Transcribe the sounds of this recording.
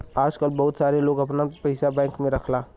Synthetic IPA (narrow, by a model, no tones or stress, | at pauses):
aːd͡ʒkəlbɐɦʊt̪saːɾeloːɡɐpnapɐɪsabɛ̃ːŋkmẽɾɐkʰlaː